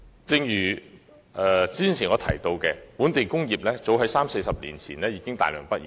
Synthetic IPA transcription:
t͡sɪ˧ŋjyː˨˩ | ʔɛː˨˩t͡siː˥nt͡sʰiː˨˩ŋɔː˨˧t̪ʰɐ˨˩jt̪o˧wkɛː˧puː˨˥nt̪e˨jkʊ˥ŋjiː˨p̚lɛː˥t͡so˨˥wɦɐ˨˥jsaː˥mse˧jsɐ˨p̚lḭː˨˩nt͡sʰiː˨˩nlɛː˥jiː˨˧kɪ˥ŋt̪a̰ː˨˩jlœː˨˩ŋpɐ˥t̚jiː˨

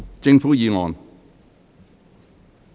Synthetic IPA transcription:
t͡sɪ˧ŋfuː˨˥jiː˨˧ŋɔː˨n

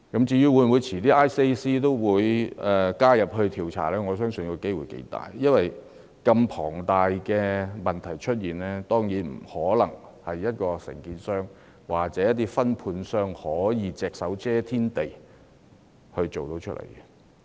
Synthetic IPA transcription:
kɐ˨˦˥mt͡siː˧jyː˥wuː˨˧jn˨wuː˨˧jt͡sʰiː˨˩t̪iː˥ʔaː˥jse˥jsiː˥t̪o˥wwuː˨˧jɛ˨kaː˥jɐ˨p̚hɵ˧ɥt̪ʰiː˨wt͡sʰa̰ː˨˩lɛː˥ŋɔː˨˧sœː˥ŋsɵ˨nkːɔ˧ke˥jwuː˨˩jkḛ˨˧jt̪a̰ː˨˩jjɐ˥nwɐ˨j | kɐ˧mpʰɔː˨˩ŋt̪aː˨jkɛː˧mɐ˨nt̪ʰɐ˨˩jt͡ʃʰɵ˥t̚jiː˨nlɛː˥t̪ɔː˥ŋjiː˨˥nm̩˨˩hɔː˨˥lɐ̰˨˩ŋhɐ˨jːɐ˥t̚kɔː˧sɪ̰˨˩ŋkiː˨nsœː˥ŋ | waː˨k̚t͡sɛ˨˥jɐ˥t̪ːiː˥fɐ˥npʰuː˧nsœː˥ŋhɔː˨˥jiː˨˧t͡sɛː˨k̚sɐ˨˥wt͡sɛː˥t̪ʰiː˥nt̪e˨j | hɵ˧ɥt͡ʃo˨wt̪o˨˧wt͡ʃʰɵ˥t̚lʔḛ˨˩jkɛ˧

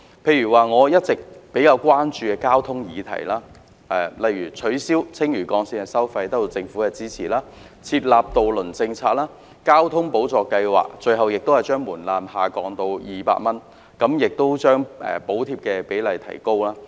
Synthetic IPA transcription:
pʰe˧jɥyː˨˩waː˨˩ŋɔː˨˧jɐ˥t̚t͡sɪ˨k̚pe˨˥jkaː˧wkʷaː˥nt͡ʃyː˧kɛː˧kaː˥wt̪ʰʊ˥ŋjiː˨˧t̪ʰɐ̰˨˩jlaː˥ | ɛː˨˩lɐ˨jɥyː˨˩t͡sʰɵ˨˥ɥsiː˥wt͡sʰɪ˥ŋjyː˨˩kɔː˨˧ŋsiː˧nhɐ˨jsɐ˥wfɐ˧jt̪ɐ˥k̚t̪o˧wt͡sɪ˧ŋfuː˨˥kɛː˧t͡siː˥t͡sʰiː˨˩laː˥ | t͡sʰiː˧t̚laː˨p̚t̪o˨wlɵ˨˩nt͡sɪ˧ŋt͡sʰaː˧t̚laː˥ | kaː˥wt̪ʰʊ˥ŋpo˨˥wt͡sɔː˨˧kɐ˧jwa̰ː˨k̚t͡ʃɵ˧ɥhɐ˨wjɪ˨k̚t̪o˥whɐ˨jt͡ʃœː˥ŋmuː˨˩nlaː˨mhaː˨kɔː˨˧ŋt̪o˧wjiː˨pa̰ː˧t̚mɐ˥n | kɐ˨˥mjɪ˨k̚t̪o˥wt͡ʃœː˥ŋɛ̰ː˨po˨˥wt̪ʰiː˧p̚kɛː˧pe˨˥jlɐ˨jt̪ʰɐ̰˨˩jko˥wlaː˥

